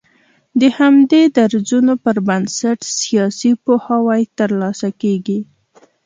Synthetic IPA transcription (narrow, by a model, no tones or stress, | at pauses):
d̪əhamd̪ed̪aɾzunopəɾbansaʈsijɑsipohawajt̪əɾlɑsakeɡi